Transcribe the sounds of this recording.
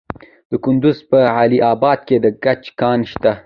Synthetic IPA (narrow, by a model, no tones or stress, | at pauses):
d̪̥əkʊnd̪ʊzpəʕaliʔɑbɑd̪̚ked̪əɡat͡ʃkɑnʃt̪a